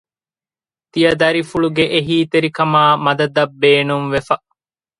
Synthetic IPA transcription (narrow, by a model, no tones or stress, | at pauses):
t̪ijɐd̪ɐɾifuɭuɡeʔeɦiːt̪eɾikɐmaːmɐd̪ɐd̪ɐbːeːnuŋʋefɐ